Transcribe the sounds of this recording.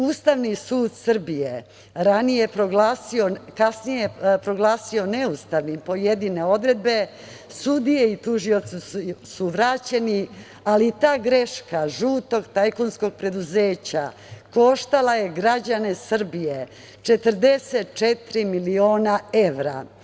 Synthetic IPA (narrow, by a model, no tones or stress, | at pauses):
uːst̪aʋnisuːd̪sr̩bije | ɾanijepɾoɡlaːsiokasnijepɾo̞ɡlaːsio̞neust̪aʋnimpo̞jed̪ine̞o̞d̪ɾe̞d̪̚be̞ | sud̪ije̞it̪uʒio̞t̪sisuʋɾat͡ɕe̞ni | alit̪aːɡɾe̞ʃkaʒuːt̪o̞ɡt̪ajkonsko̞ɡ̚pɾe̞d̪uzeːt͡ɕa̰ | ko̞ʃt̪alaje̞ɡɾad͡ʑane̞sr̩bije | t͡ʃe̞t̪r̩d̪e̞set̪t͡ʃet̪ɾimilio̞ːnaeʋɾa̰